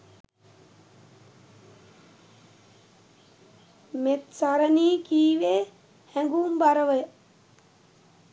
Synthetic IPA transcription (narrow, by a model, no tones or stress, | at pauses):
met̪saɾəniːkiːʋeː | hæŋɡuːmbaɾəʋəj